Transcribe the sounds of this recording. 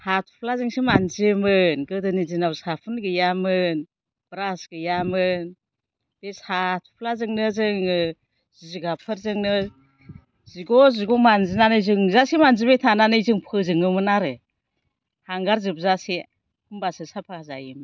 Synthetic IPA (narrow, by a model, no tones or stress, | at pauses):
hatʰu̥pʰlazɯŋsimanzɯmɯnɡɯdɯnizinawsapʰɯnɡɯjamɯn | b̥ɾasɡ̥ɯjamɯn | b̥esatʰu̥pʰlazɯŋnɯzɯŋɯ | zizuɡapʰɯɾzɯŋnɯ | ziɡɔziɡɔmanzinanɯjzɯŋzasimanzibejtʰananɯjzɯŋpʰɯzɯŋɯmɯnaɾɯ | haŋɡaɾzɯp̚zasi | umbasɯsapʰaazajɯm